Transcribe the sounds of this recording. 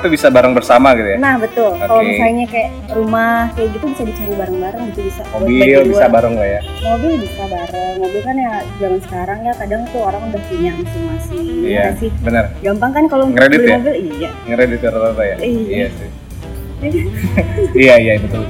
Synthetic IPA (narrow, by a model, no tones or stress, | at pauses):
t̪ubisabaɾəŋbərsamaɡit̪ujanahbət̪ʊlokaloemiaiɲakaja | rumahkajaɡit̪ubisabisabibaɾəŋbaɾəŋɡit̪ubisaobibissabaɾəŋlaja | lobibisabaɾəŋlobikanjad͡ʒaŋansə̥kaɾaŋjakadaŋt̪uoɾaŋudahkiɲaʔmisimasɪijaansɪhbənərɡampaŋkankaloŋɾedɪtljabəlijaja | ŋɾedɪt̪̚jaɾt̪t̪ajaiiasɪ | ijaijajbət̪ʊl